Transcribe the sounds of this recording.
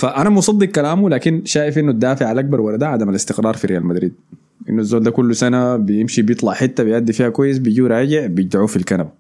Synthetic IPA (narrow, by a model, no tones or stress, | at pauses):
faʔanamsˤɑd̪ˤːiqkalaːmulaːkinʃaːjɪfʔɪnːud̪ːaːfɪʕalʔak̚bɑɾˤwɑɾad̪aʕad̪amalɪst̪ɪqɾˤɑːɾˤfiɾʔijaːlmad̪ɾiːd̪̚ | ʔḭnːuazːoːld̪aːkulːusanabijɪmʃibjɨt̪ˤlɑʕħɪt̪ːabijʔad̪ːifiːhakwajːɪs̬bijɟiːwɾˤɑːɟɪʕbijɪd͡ʒd̪aʕuːfilkanab